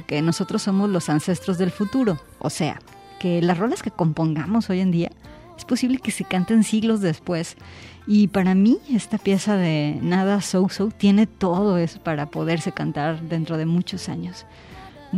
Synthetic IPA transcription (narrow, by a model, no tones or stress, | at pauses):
ke̞no̞so̞t̪ɾo̞sːo̞mo̞zlo̞sanse̞st̪ɾo̞zðe̞lfut̪uɾo̞ | o̰se̞a̰ | ke̞lasro̞laske̞ko̞mpo̞ŋɡamo̞so̞ʝe̞nd̪ia̰ | e̞spo̞siβle̞ke̞se̞kant̪e̞nsiɣlo̞zðespwe̞s | ipaɾamie̞st̪apje̞saðe̞naðasowsowt̪je̞ne̞t̪o̞ð̞o̞e̞so̥paɾapo̞ð̞e̞ɾse̞kant̪aɾðe̞nt̪ɾo̞ð̞e̞mut͡ʃo̞sa̰ɲo̞s